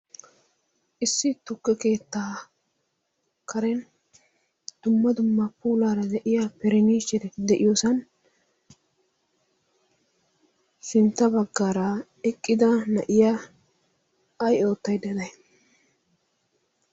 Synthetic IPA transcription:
ʔɪsːɪt̪ʊkːɛke̞ːt̪ːaː | kʰɐɾɛn | d̪̥ʊmːɐd̪ʊmːɐpuːlaːɾɐd̪ɛʔɪjapɛɾɛniːʃɛɾɛd̪ɛʔɪjosɐn | sɪnt̪ːɐbɐɡːaːɾɐ | ɛkʼːɪd̪ɐnɐʔɪja | jo̞ːt̪ːɐjd̪ɛd̪ɐj

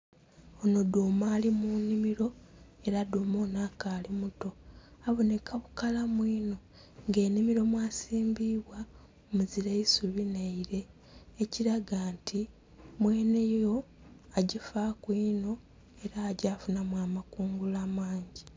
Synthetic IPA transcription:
ono̞doːmaːlimunimiɾo̞e̞ɾaduːmo̞naːkaːlimuto̞aβonekʰaβukalamwiːno̞ | ŋɡe̞ːnimiɾo̞mwaːsiːmbiβwa | omuziɾeisuβineiɾe̞ː | ciɾaɡaːntʰi | mwe̞ːne̞jjo̞ | aɟifakwiːno̞ | e̞ɾaːɟaːfunamwaːmakuːŋɡulaːmaːɲɟi

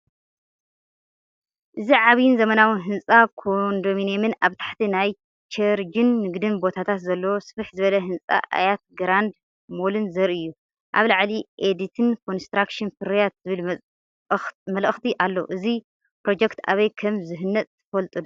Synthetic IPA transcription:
ʔɨziʕaβijɪnzɐmɐnawɨnɦɨnsʼakʰond̪ominemɨnaβt̪ʰḁħt̪ʰinaj | t͡ʃʰɐɾd͡ʒɨnːɨɡd̪ɨnbo̞t̪ʰat̪ʰat̪zɐlːowosɨβɨħzɨβɐlɐɦɨnt͡sʼa̰ʔa̰jat̪̚ɡɾand̪ | mo̞lɨnzɐɾiɨjːu | ʔa̰βlaʕliʔed̪it̪ʰɨnkʰo̞nst̪ɾakʃɨnfɨɾjat̪zɨβɨl | mɐlɨxt̪ʰiʔalːoʔɨzi | pɾo̞d͡ʒekt̪a̰βɐjkʰɐmzɨɦɨnːɐt̪ʼʰːɨfɐlt̪ʼɨd̪

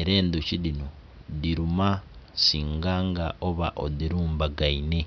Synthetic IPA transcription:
eɾe̞ːnd̪ucidino | diɾumasiːŋɡaːŋɡaʔoβaʔo̰diɾuːmbaɡaine̞

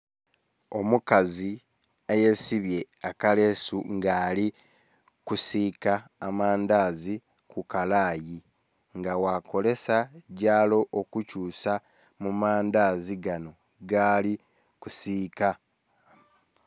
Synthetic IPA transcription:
o̞mukazi | eje̞siβje̞ | akale̞suŋɡaːli | kusiːkaːmaːnd̪aːzi | kukalaːji | ŋɡawako̞le̞saɟaːlo̞ʔokucuːsa | mumaːnd̪aːziɡano̞ | ɡaːli | kusiːka

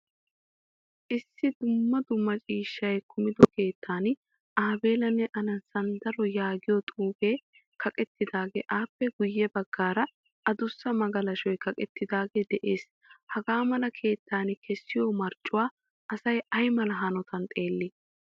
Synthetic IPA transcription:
ʔɪsːɪd̪ʊmːɐd̪ʊmːɐt͡ʃʼiːʃːɐjkʰʊmɪd̪ɔke̞ːt̪ʰːaːn | ʔaːbe̞ːlɐnːɛʔɐnɐsɐnd̪ɐɾɔjaːɡɪjɔt̪ʼuːbe̞ː | kʰɐkʼɛt̪ːɪd̪aːɡeʔaːpːɛɡʊjːɛbɐɡːaːɾɐ | ɐd̪ʊsːɐmɐɡɐlɐʃɔjkɐkʼɛt̪ːɪd̪aːɡed̪ɛʔe̞ːs | hɐɡaːmɐlɐkʰe̞ːt̪ʰːaːnkʰɛsːɪjoːmɐɾt͡ʃʼːʊwaː | ʔɐsɐjɐjmɐlɐɦɐnɔt̪ɐnt̪ʼe̞ːlːɪ

